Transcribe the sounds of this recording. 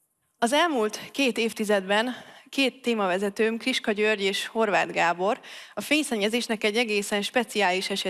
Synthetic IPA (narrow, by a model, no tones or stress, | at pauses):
ɒzɛlmult̪keːt̪eːft̪izɛd̪bɛnkeːt̪ːeːmɒvɛzɛt̪øːmkriʃkɒɟørɟeːʃho̞rvaːd̪ɡaːbo̞ɾɒfeːɲsɛɲːɛzeːʃnɛkɛɟːɛɡeːsɛnʃpɛt̪siaːliʃɛʃɛ